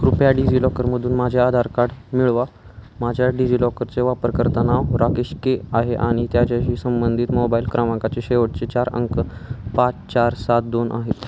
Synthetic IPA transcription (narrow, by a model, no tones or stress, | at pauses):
ɾupjaɖid͡ʑilɔkəɾməd̪ʱuːnmad͡ʑʱjaad̪ʱaɾkaɽmiɭʋa | mad͡ʑʱjaɖid͡ʑilɔkəɾt͡seʋapəɾkəɾt̪anaʋɾakeɕkeaɦeʔaɽ̃it̪jad͡ʑjaɕiːsəmbənd̪ʱiːt̪mobailkɾaʋãŋkat͡seɕeʋəʈ̚t͡set͡ɕaɾə̰ŋkəpat͡st͡ɕaɾsat̪̚d̪onʔa̰ɦet̪